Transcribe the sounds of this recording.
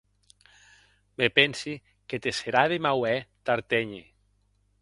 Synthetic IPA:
mepensi | ket̪eseɾaðemawɛt̪aɾt̪eɲi

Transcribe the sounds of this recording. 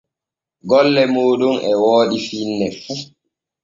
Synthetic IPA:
ɡɔlːɛmoːɗumʔɛwoːɗifinːɛ

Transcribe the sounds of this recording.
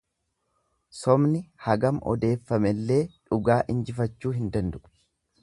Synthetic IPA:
sɔmnɪhɐɡɐmʔɔ̰d̪e̞ːfːɐmɛlːe̞ːᶑʊɡaːʔɪnd͡ʒɪfɐt͡ʃːuːɦɪnd̪ɐnd̪ʊʔ

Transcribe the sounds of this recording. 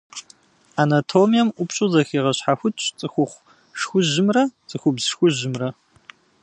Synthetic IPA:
anatʰoːmijɛmʔʷʊpɕʼʊzɐxiːʁɐɕħaxʷʊtʰt͡ʃʼt͡sʼɨxʷʊχʷ | ʂxʷʊʑɪmrɐt͡sʼɨxʷʊbzʃxʷʊʑɪmrɐ

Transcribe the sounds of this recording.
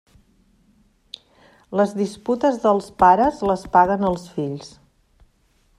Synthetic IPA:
ləzðisput̪əzðəlˠspaɾəzləspaɣənəlˠsfiʎs

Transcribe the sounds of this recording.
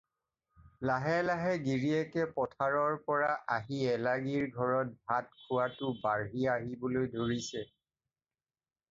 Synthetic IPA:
laɦɛlaɦɛɡiɹiɛkɛpɔtʰaɹɔɹpɔɹaʔaɦiɛlaɡiɹɡʱɔɹɔt̚bʱat̚kʰʊwatʊbaɹɦiaɦibolojdʱoɹisɛ

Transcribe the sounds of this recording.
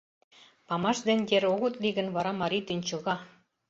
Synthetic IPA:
pɑmɑʃd̪enʲd̪ʲeɾoɣot̪liɣə̆nβɑɾɑmɑɾit̪ynʲt͡ɕɤ̆ɣɑ

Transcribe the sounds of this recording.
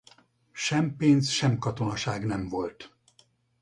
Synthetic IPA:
ʃɛmpeːnsʃɛmkɒt̪o̞nɒʃaːɡnɛɱvo̞lt̪

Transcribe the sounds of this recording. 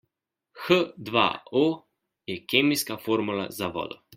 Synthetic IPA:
xəd̪ʋa̰o | jɛkeːmiskafoːɾmula̰zaʋɔ̰ːd̪ɔ

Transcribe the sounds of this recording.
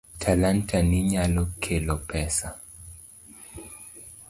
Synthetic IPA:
tʰalantʰaniɲalɔkʰɛlɔpɛsa

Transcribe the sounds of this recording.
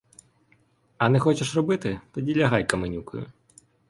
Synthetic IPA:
ɐnɪxɔt͡ʃɛʂrɔbɨt̪ɪt̪ɔdʲilʲɐɦajkɐmɪnʲukʊ̰jʊ̰

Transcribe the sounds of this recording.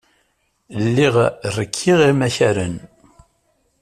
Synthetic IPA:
lːiʁrːəkʰːiʁimæçæɾən

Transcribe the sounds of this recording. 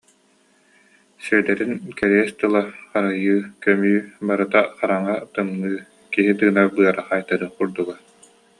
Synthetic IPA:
sœd̪ɛɾinkɛɾiɛst̪ɯlˠaχaɾajɯːkœmyːbaɾɯt̪aχaɾaŋat̪ɯŋnɯː | kiɦit̪ɯːnabɯɐɾaχajt̪aɾɯχuɾd̪uɡa

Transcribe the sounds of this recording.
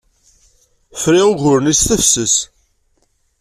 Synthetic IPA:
fɾiʊʝʊɾənist̪əfsəs

